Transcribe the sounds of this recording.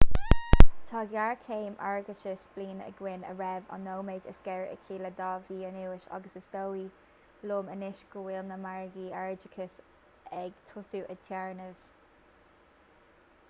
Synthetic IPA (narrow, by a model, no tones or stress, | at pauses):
t̪ʰɑɡjaɹkʰeːmʔa̰ɹɡət͡ʃəsb̥liːnə̰ɡwɪnə̰ɹɛvɔ̰nːowmed͡ʒə̰skɛɹəʔə̰kʰiːləd̪ɑːviːənɪwɪʃɑ̰ɡəsəsd̥̪owi | loːmənɪʃɡuɪlnəmaɹɡiaɹd͡ʒɪkʰəs | ɛɡ̥t̪ʰʊsuʔət̪ʰjɛɹnəv̥